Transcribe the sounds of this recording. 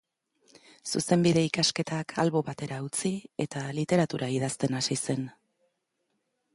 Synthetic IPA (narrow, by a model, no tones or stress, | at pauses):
suse̞mbiðe̞ikaske̞t̪akʰa̰lβo̞βat̪e̞ɾaut͡sie̞t̪alit̪e̞ɾat̪uɾʔaiðast̪e̞nasise̞n